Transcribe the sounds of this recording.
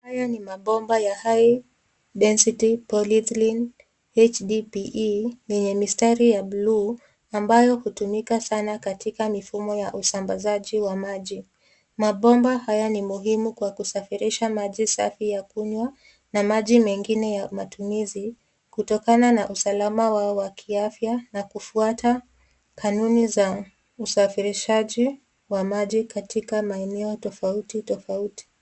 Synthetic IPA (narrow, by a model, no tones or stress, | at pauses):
ajanimaɓɔmbajahaj | ɗɛnsitipɔlitlin | ɛt͡ʃɗipiʔjɛɲɛmistaɾijablu | ambajɔhutumikasanakatikamifumɔjaʔusambazaʄiwamaʄi | maɓɔmbahajanimuɦimukwakusafiɾiʃamaʄisa̰fijakuɲwa | namaʄimɛŋɡinɛjamatumizi | kutɔkananaʔusalamawawakʰiafjanakufuata | kʰanuniza | usafiɾiʃaʄi | wamaʄikatikamaɛnɛɔtɔfautitɔfauti̥